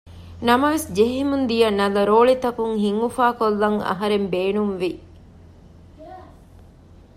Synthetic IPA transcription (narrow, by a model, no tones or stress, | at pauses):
nɐmɐʋesd͡ʒeɦimund̪ijɐnɐlɐɾoːɭit̪ɐkuŋhiŋɡufaːkolːɐŋɐ̰ɦɐɾembeːnumʋi